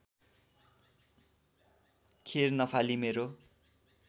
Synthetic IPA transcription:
kʰernʌpʰalimeɾo

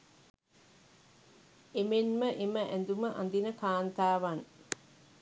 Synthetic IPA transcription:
emenməʔeməʔænd̪uməʔɐ̰nd̪inəkaːnt̪aːʋan

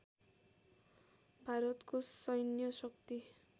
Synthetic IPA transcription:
bʱaɾʌt̪kosʌjnjʌsʌkt̪i

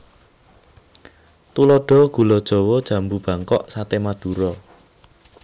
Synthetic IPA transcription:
t̪ulɔɖ̥ɔ̤ɡ̥ṳlɔd̥ʒ̥ɔ̤wɔd̥ʒ̥ä̤mbub̥ä̤ŋkɔʔsat̪emad̪̥uɾɔ

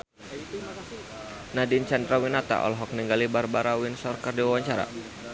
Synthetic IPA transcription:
nadint͡ʃandɾawinat̪a̰ʔɔ̰lɦɔk̚niŋɡalibarbaɾawinsɔrkərdiwawaɲt͡ʃaɾa̰

